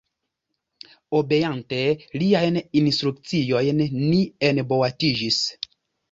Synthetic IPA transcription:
obejanteliajninstɾuk̚t͡siojnːienbowatid͡ʒis

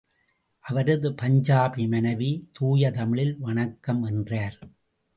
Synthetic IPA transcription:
ʔɐʋɐɾɐðɯpɐɲd͡ʒaːbimɐnɐʋit̪uːjɐt̪ɐmɪɭɪlʋɐɳɐkːɐmɛndraːɾ

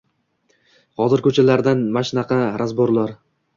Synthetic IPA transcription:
hɒzɪɾkʰɵt͡ʃʰalaɾd̪anmaʃnaqʰɑɾʔazboɾlˠaɾ

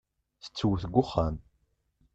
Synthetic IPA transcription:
θə̥t͡sːəwəθɡʷʊχːan

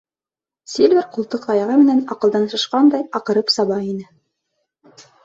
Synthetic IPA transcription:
sʲilʲvʲɘɾqulˠt̪ɤqt̪ɑjɑʁɤmɘ̆nænɑqɤ̆lˠd̪ɑnsɤ̆ʃqɑnd̪ɑjɑqɤ̆ɾɤpsɑβɑinɘ

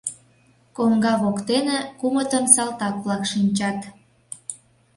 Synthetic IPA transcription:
koŋɡɑβokt̪enekumət̪ənsɑlt̪ɑkβlɑkʃinʲt͡ɕɑt̪

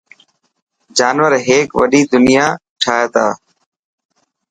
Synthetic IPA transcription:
d͡ʒaːnʋəɾɦeːkʋə̰ɗiːd̪ʊnɪjaː | ʈʰaːt̪aː

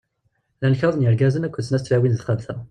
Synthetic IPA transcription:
lænçɑðˤənjəɾɡæzənækʷːət͡sːnæst̪ːlæwinθχəvθæ

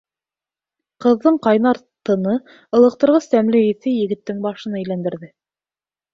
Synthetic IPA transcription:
qɤ̆ðːɤɴqɑjnɑɾt̪ɤ̆nɤ | ɤ̆lˠɤ̆q̚t̪ɤ̆ɾʁɤst̪æmlɘiθɘjɘ̆ɡɘ̆t̪ːɘŋbɑʃɤ̆nɑĕjlænd̪ɘ̆ɾðɘ

